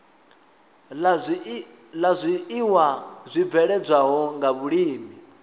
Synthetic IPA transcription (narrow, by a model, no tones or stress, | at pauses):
lazʷiiwazʷib̪vɛɺɛd͡zʷaɦɔŋɡaβuɺiːmi